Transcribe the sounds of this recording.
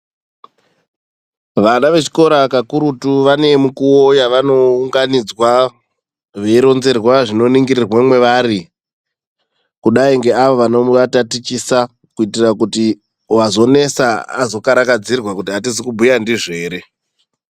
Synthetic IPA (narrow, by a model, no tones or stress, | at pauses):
ʋanaʋe̞t͡ʃi̥ko̞ɾakakuɾutuʋane̞mukuojaʋano̞uŋɡanid͡zwa | ʐeiɾo̞nze̞rwaʐino̞niŋɡirirwemwe̞ʋaɾi | kuɗaiŋɡe̞aʋo̞ʋano̞ʋatatit͡ʃisa | kuitirakuti | wazo̞ne̞saa̰zo̞kaɾakad͡zirwakutiɦatizikubʱujandiʐe̞ːɾe̞